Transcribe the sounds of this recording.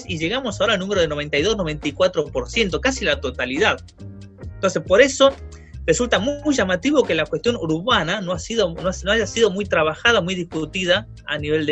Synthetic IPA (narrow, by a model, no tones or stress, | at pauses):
siʒe̞ɣamosaoɾalnũmeɾoð̞eno̞e̞nt̪ajðo̞zno̞βe̞nt̪ijkwat̪ɾopo̞ɾsje̞nt̪o̞kasilat̪o̞t̪aliðað | ent̪o̞ns̬espo̞ɾe̞so̞ | result̪amujʒamat̪iβo̞ke̞lakwest̪jo̞nuɾuβananoasiðonosnoaʒasiðo̞mujt̪ɾaβaxað̞aomujðihkut̪iða | aniβe̞ld̪e